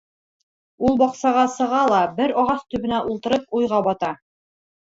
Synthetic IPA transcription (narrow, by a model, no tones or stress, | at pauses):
ulˠbɒqsɑʁɑsɤ̆ʁɑlˠɑbɘɾɒʁɑθt̪ɵ̆βɘ̆næʔulˠt̪ɤ̆ɾɤp̚ujʁɑbɒt̪ɑ